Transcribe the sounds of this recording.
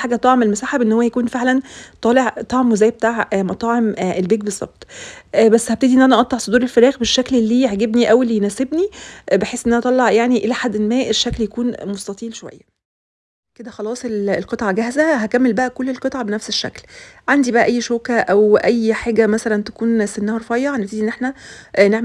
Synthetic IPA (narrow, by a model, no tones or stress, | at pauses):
ħaːɡæt̪ˤɑʕmelmosaːħebʔenːhowːæjækuːnfeʕlænt̪ˤɑːleʕt̪ˤɑʕmwzæːjbet̪aːʕmɑt̪ˤɑːʕemʔelbeːɡ̚bezˤːɑ̰b̚tt̪ˤʔbæsːhæbt̪ed̪iʔenːʔænæʔɑt̪ˤːɑʕsˤod̪uːɾelfæɾæːxbeʃːæklelːiːjeʕɡebniʔæwelːijnæːsebnibeħeːsʔenːʔænæt̪ˤɑlːɑʕjaʕniʔelæħad̪ːenmæːʔeʃːækljækuːnmost̪ɑt̪ˤiːlʃowæ̰jːæ | ked̪æxɑlɑːsˤelelqet̪ˤʕɑɡæhzæɦækæmːelbæʔækolːelqet̪ˤʕɑbenæfseʃːæ̰klʕand̪ibæʔæ̰ʔæjːʃoːkæʔæwʔæjːħaːɡæmæsælænt̪æ̥kuːnsenːæhɑɾˤfɑjːɑhænæbt̪ed̪iʔenːʔeħnæneʕm